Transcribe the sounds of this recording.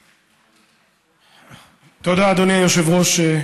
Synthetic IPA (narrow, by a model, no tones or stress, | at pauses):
t̪od̪aːd̪oniajoʃevʁoʃe